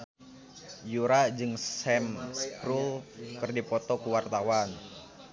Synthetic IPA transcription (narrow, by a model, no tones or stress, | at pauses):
juɾad͡ʒɨŋsɛmspɾulkɨrdipɔt̪ɔkuwart̪awan